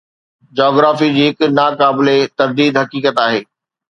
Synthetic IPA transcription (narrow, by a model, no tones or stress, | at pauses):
d͡ʑɔːɡɾaːfid͡ʑiːɦɪknaːkaːbɪlet̪ɐɾd̪iːd̪ɦɐkiːkət̪aːɦeː